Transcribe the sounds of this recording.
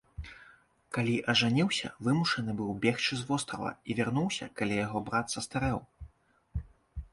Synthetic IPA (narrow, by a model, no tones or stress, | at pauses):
kalʲiʔɐʐanʲiwsʲɐ̰vɨmuʂɐnɨbɨwbʲɛxt͡ʂɨzvɔst̪ɾɐ̰vɐ̰ivʲarnuwsʲɐ̰kalʲijaɣɔbɾat̪sɐst̪aɾɛw